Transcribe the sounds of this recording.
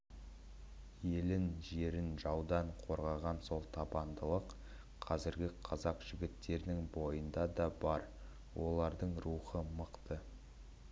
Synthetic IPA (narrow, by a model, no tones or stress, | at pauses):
je̞lɪnʒe̞ɾɪnʒɑwd̪ɑɴqʰo̞ɾʁɑʁɑnso̞lˠt̪ʰɑbɑnd̪əlˠəqʰ | ɑzɪɾɡʲɪqʰɑzɑqʒ̥ɪɡʲɪt̪ːe̞ɾɪnɪŋbo̞jənd̪ɑd̪ɑbɑɾ | wʔo̞lˠɑɾd̪əɴɾuχəməqt̪ə